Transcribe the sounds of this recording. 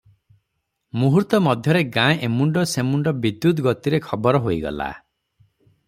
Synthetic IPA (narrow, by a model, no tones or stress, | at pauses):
muɦuɾt̪ɔmɔd̪ʱjɔɾeɡãjʔemuɳɖɔsemuɳɖɔbid̪jud̪ɡɔt̪iɾekʰɔbɔɾɔɦoiɡɔ̰la̰